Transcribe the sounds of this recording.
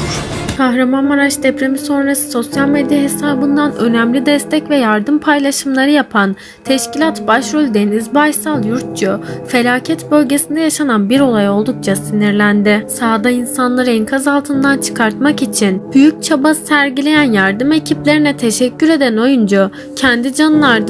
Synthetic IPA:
kʰaɦɾamanmaɾaʃd̪ɛpɾemiso̞nɾasɯ̥so̞sjalʲmed̪ijaɦe̞saːbɯnd̪anø̞næmlʲid̪ɛst̪ʰɛcvɛjaɾd̪ɯmpʰajlˠaʃɯmlˠaɾɯjapʰan | t̪ʰɛʃcilʲat̪baʃɾulʲd̪enizbajsalˠjuɾt̪̚t͡ʃufe̞lʲaːcʰɛt̪bø̞lʲɟe̞sind̪ɛjaʃananbiɾo̞lˠajo̞lˠd̪uk̚t͡ʃʰasiniɾlʲænd̪ɪsaːd̪ainsanlˠaɾɯinkʰazalˠt̪ʰɯnd̪ant͡ʃʰɯ̥kʰaɾt̪makit͡ʃʰinb̥yjyc̚t͡ʃʰabasæɾɟilʲe̞jænjaɾd̪ɯme̞cʰiplʲe̞ɾinɛt̪ʰe̞ʃɛcʰːyɾe̞d̪æno̞jund͡ʒa | cʰɛnd̪id͡ʒanɯlˠaɾd̪

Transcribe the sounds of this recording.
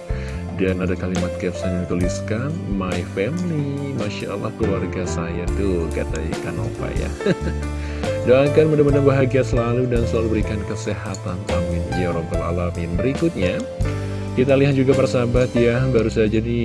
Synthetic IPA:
danadakalimat̪̚kɛpsanaŋt̪uliskanmajfɛmli | maʃaa̰lːa̰hkəluwarɡasajat̪uka̰t̪a̰ikano̰pa̰ja̰ | doakanməndaməndaŋbaɦaɡiasəlaludansəlalubəɾikankəseɦat̪anamɪn̰aɾobəla̰lamimbəɾikʊt̪̚ɲa | kit̪aliɦat̪̚d͡ʒuɡapaɾasabat̪jabaɾusad͡ʒadi

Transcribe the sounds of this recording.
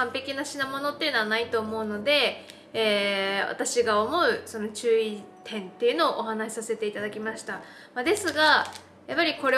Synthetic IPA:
ãmpe̞kʲinaɕinamo̞no̞t̪ːeiɯ̟noanait̪o̞ːmo̞ɯ̟no̞d̪e̞ː | βa̰t̪aɕiɡaomo̞ɯ̟so̞no̞t͡ɕɨːit̪ʰẽ̞nt̪e̞iɯ̟no̞ːʔoɦanaɕi̥sase̞t̪e̞it̪ad̪akʲimaɕi̥t̪a | mad̪e̞sɨɡa | japːaɾʲiko̞ɾe

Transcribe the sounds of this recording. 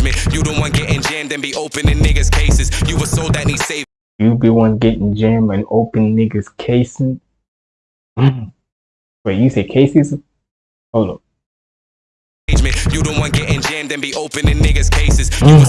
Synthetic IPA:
mɨ̃njɨdõʊ̃nʔwɑ̃nəɡɛɾɨ̃nd͡ʒæ̃mdɨ̃nbiʔoʊpɨ̃nɨ̃nːɪɡɨz̥kʰeɪsɨz̥jɨwəsoʊðɨtⁿnid̥seɪ | jɨbiwɑ̃nəɡɛɾɪ̃nd͡ʒɛ̃mɨ̃noʊpɨ̃nːɪɡɨz̥kʰeɪsɪ | w̥ʌjɨseɪkʰeɪsɨz | oʊnoʊ | d͡ʒmɨ̃njɨdõʊ̃nwɑ̃nəɡɛɾ̃nd͡ʒæ̃mdɨ̃nbiʔoʊpɨ̃nɨ̃nːɪɡɨz̥kʰeɪsɨz̥

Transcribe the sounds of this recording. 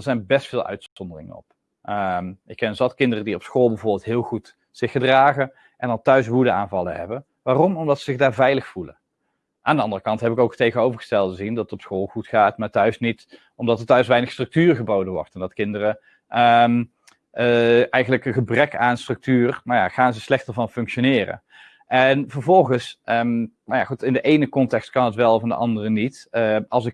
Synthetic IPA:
əɹzɛjnbɛstfɪːlˠœ̰ɥtsɔndərɪ̰ŋə̰nɔ̰p | əmɪkɛnənzɑtkɪndərədiɔpsxoːlˠbəvʊːɹbɪːlˠtɦɪːlˠχut | sɪxədraːɣə | ʔɛndɑlˠtœɥsʋudəa̰ːnvɑlˠə̰ɦɛ̰bə | ʋaːrɔmɔmdɑtsəzɪxdaːɹvɛjləxfulə̰ | ʔa̰ːndəɑndərəkɑntɦɛpɪkowktejɣənowvəɹχəstɛlˠəzindɑtətɔpsxoːlˠχutχaːtmaːɹtœɥsnit | ɔmdɑtəɹtœɥsʋɛjnəχstrɵk̚tyːrχəbowdənʋɔ̰rtɛndɑtkɪndərə | əm | əɛjχənləkəχəbrɛkʰaːnstrɵk̚tyːrmaja̰χaːnzəslɛxtəɹvɑnfɵŋkʃonɪːrə̰ | ʔɛnvəɹvɔlˠχəsəmnawja̰χutɪndəʔejnəkɔntɛkst̚kɑnɦətʋɛlˠɔfndə̰ʔɑ̰ndərənitəɑlˠsɪk

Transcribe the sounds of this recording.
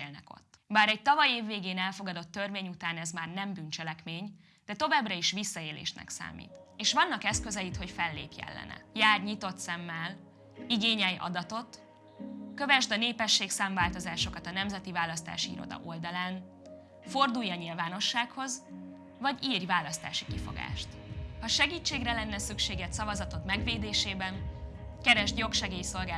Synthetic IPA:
eːlnɛko̞̰t̪ːbaːɾɛc̚t̪ɒvɒjeːvːeːɡeːnɛlfo̞ɡɒd̪o̞t̪ːørveːɲut̪aːnɛzmaːrnɛmbynt͡ʃɛlɛkmeːɲ | d̪̥ɛt̪o̞vaːbrɒiʃʋisːɒeːlḛːʃnɛ̰ksa̰ːmḭːt̪ | eːʃʋɒnːɒkɛskøzɛjit̪ho̞cfɛlːḛːpjɛ̰lːɛ̰nɛ̰jaːrɲit̪o̞t̪sɛmːɛl | iɡeːɲɛjʔɒ̰d̪ɒt̪o̞t̪ | kø̞vɛʒd̪ɒneːpɛʃːeːksaːɱvaːlt̪o̞zaːʃo̞kɒt̪ɒnɛmzɛt̪ivaːlːɒst̪a̰ːʃiḭːɾo̞̰d̪ɒ̰ʔo̞ld̪ɒlaːn | fo̞rd̪ujɒɲilvaːno̞ʃːaːkho̞z | vɒɟiːrjvaːlːɒst̪a̰ːʃi̥kifo̞̰ɡa̰ːʃt̪hɒʃɛɡiːt͡ʃːeːɡrɛlɛnːɛsykʃeːɡɛt̪sɒvɒzɒt̪o̞t̪mɛɡveːd̪eːʃeːbɛn | kɛɾɛʒt̪jo̞kʃɛɡeːjso̞lɡaː

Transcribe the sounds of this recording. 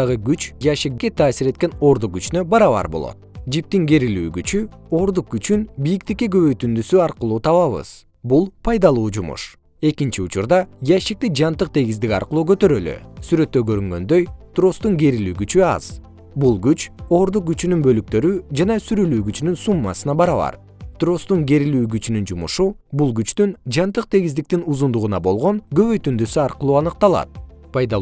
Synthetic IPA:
ɑʁɯɡyt͡ʃjaʃikke̞t̪ʰɑːsiɾe̞t̪̚ke̞no̞ɾd̪uq̚ɡyt͡ʃnø̞bɑɾɑβɑ̰ɾbolˠo̰t̪̚d͡ʒip̚t̪iŋɡe̞ɾily̰ːɡyt͡ʃyo̞ɾd̪uq̚ɡyt͡ʃynbijikt̪ikːeɡøβø̞jt̪ynd̪ysyɑɾqɯlˠuːt̪ʰɑβɑβɯ̰z̥ | bulˠpʰɑjd̪ɑlˠuːd͡ʒumṵʃ | e̞kint͡ʃiut͡ʃuɾd̪ɑjaʃik̚t̪id͡ʒɑnt̪ɯq̚t̪ʰe̞ɡizd̪ikʲɑ̰ɾqɯlˠuːkø̞t̪ø̞ɾølø̰syɾø̞t̪ːøɡø̞ɾyŋɡø̞̰nd̪ø̞jt̪ro̞st̪uŋɡe̞ɾilyːɡyt͡ʃyɑ̰z̥ | bulˠɡyt͡ʃo̞ːɾd̪uq̚ɡyt͡ʃynynbø̞lyk̚t̪ø̞ɾyd͡ʒɑnɑsyɾylyːɡyt͡ʃynynsumːɑ̰sɯnɑbɑɾɑβɑ̰ɾ | t̪ro̞st̪uŋɡe̞ɾilyːɡyt͡ʃynynd͡ʒumṵʃubulˠɡyt͡ʃt̪ynd͡ʒɑnt̪ɯq̚t̪ʰe̞ɡizd̪ik̚t̪inuzund̪uʁunɑbo̞lˠʁo̞ɴɡø̞βø̞jt̪ynd̪øsyɑɾqɯlˠuːɑnɯq̚t̪ɑlˠɑ̰t̪̚pʰɑjd̪ɑ

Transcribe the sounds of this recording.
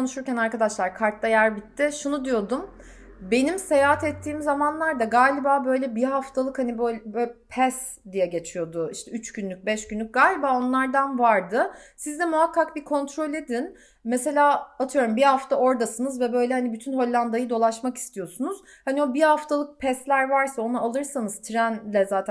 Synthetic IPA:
onuʃuɾcænaɾkad̪aʃlˠaɾkʰaɾt̪ːajæɾbit̪ʰːɪʃunud̪ijo̞d̪um | be̞nimse̞jaɦat̪ʰɛt̪ʰːiːmzamanlˠaɾd̪aɡaːlʲibaːbø̞jlʲɛbiɦaft̪ʰalˠɯkhanibølʲbpʰɛs | d̪ijɛɟe̞t͡ʃʰijo̞d̪ʊiʃt̪ʰɛyt͡ʃɟynlʲyc̚bɛʃɟynlʲykc̚ɡ̥aːlʲibaːo̞nlˠaɾd̪anvaɾd̪ɯsizd̪ɛmuɦakːakbikʰo̞nt̪ʰɾo̞lʲe̞d̪in | mɛse̞lʲaːat̪ʰɯjo̞ɾumbihaft̪ʰao̞ɾd̪asɯnɯzvɛbø̞jlʲɛhanibyt̪ʰynɦo̞lʲːˠand̪ajɯd̪o̞lˠaʃmaki̥st̪ʰijo̞sunuz̥ | hanio̞bihaft̪ʰalˠɯk̚pʰɛslʲæɾvaɾsao̞naalˠɯɾsanɯz̥t̪ʰɾænlʲɛzaːt̪ʰ

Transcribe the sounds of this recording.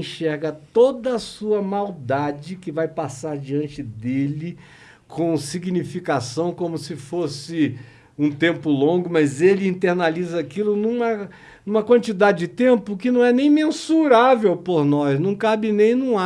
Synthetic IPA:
ʃɛɾɡɐt̪od̪ɐːsuɐmawd̪ad͡ʒɪkɪvajpasaɾd͡ʒiɐ̃nt͡ʃɪd̪elɪ | kʰõsiɡnifikasɐ̃w̃kõmʊsɪfosɪ | ũt̪ẽmpʊlõɡʊmɐzelɪĩnt̪eɾnalizɐakilʊnũmɐ | nũmɐkwɐ̃nt͡ʃid̪ad͡ʒɪd͡ʒɪt̪ẽmpʊkɪnɐ̃w̃ɛnẽj̃mẽsuɾavewpoɾnɔsnɐ̃w̃kabɪnẽj̃nũa

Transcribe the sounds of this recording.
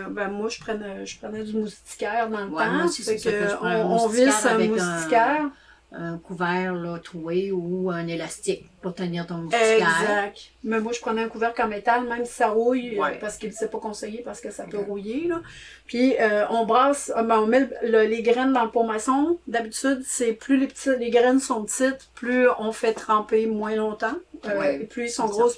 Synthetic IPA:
bɛ̃mwaʒə̥pχɛnøʒə̥pχənɛd͡z̪ymust̪i̥kʲɛːʁd̪ɑ̃ləãfɛkɔ̃visɛ̃ɛmust̪ikʲɛːʁ | ɛ̃kuvɛːʁlɔt̪ʁueuɛ̃nelast̪ɪk̚pʊʁt̪əniːʁt̪ɔ̃muszak̚t̪mɛmwaʒə̥pχənɛɛ̃kuvɛʁkãmet̪almɛ̃ɪmsi̥saʁujɛpaʁsə̥kilsɛpɔkɔ̃sejepaʁsə̥kəsapøʁujelɔ | pɥiøɔ̃bʁɑːsbɛ̃ɔ̃mɛləleɡʁɛnd̪ɑ̃lpomasɔ̃d̪abit̪yd̪sɛplylepət̪ileɡʁɛnsɔ̃t̪ɪt̪plyɔ̃fɛt̪χɑ̃pemwɛ̃lɔ̃t̪ɑ̃øeplyisɔ̃ɡʁos

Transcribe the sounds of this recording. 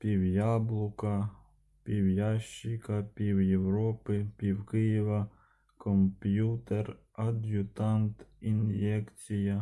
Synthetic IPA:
pʲiwjɑblˠʊkɐ | pʲiwjɑʃt͡ʃːikɐpʲiwjewɾɔpɪpʲiwkɪjɪʋɐ | kɔmpʲjut̪er | ɐd̪ʲjʊt̪ɑnt̪injɛkt͡sʲijɐ

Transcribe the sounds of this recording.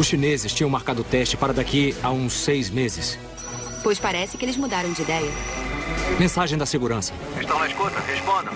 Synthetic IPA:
ʊsʃinezɪst͡ʃĩɲjɐ̃w̃maɾkad̪ʊt̪ɛst͡ʃɪ̥paɾɐd̪akiaũsːejzmezɪs | pojspaɾɛsɪkɪelɪzmud̪aɾɐ̃w̃d͡ʒɪid̪ɛjɐ | mẽsaʒẽj̃d̪ɐseɡuɾɐ̃sɐ | eʃt̪ɐ̃w̃nɐɪskot̪ɐhespõnd̪ɐ̃w̃

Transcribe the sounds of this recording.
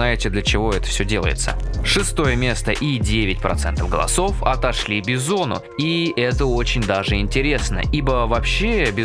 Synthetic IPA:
najɪtʲɪd̪lʲət͡ɕɪvo̞ɛt̪ə̥fsʲɵdʲe̞lˠə̰jɪ̰t̪sə̰ʂɨst̪o̞jəmʲe̞st̪əʔidʲevʲɪtʲpɾʔɐ̰t̪sɛnt̪əvɡəlˠɐ̰so̞fɐt̪ɐʂlʲibʲɪzo̞nʊ̰ | iɛt̪əot͡ɕɪnʲd̪aʐɨɪnʲtʲɪɾʲe̞snə̰ʔibəvɐpɕːebʲɪ

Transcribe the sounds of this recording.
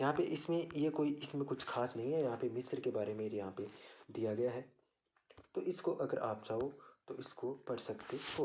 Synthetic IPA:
jɐɦãpeʔɪsmẽjekoːiʔɪsmẽkʊt͡ʃʰxaːsnɐɦĩɦɛjɐɦãpemɪsɾkebaːɾemeɾjɐɦãped̪ijaɡɐjaɦɛː | t̪oʔɪskoʔɐɡəɾʔaːp̚t͡ʃaːot̪oʔɪskopɐɽsɐkt̪eɦoː

